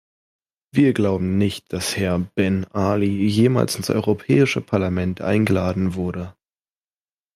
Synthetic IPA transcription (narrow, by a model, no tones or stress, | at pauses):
v̥iːɐɡlaʊbm̩nɪçt̚d̥ashɛɐb̥ɛnʔaːlijeːma̰ːlsɪnsʔɔ̰ʏʁopʰɛ̰ːɪʃəpʰaɐlamɛntʔa̰ɪnɡəlaːdn̩vʊɐdə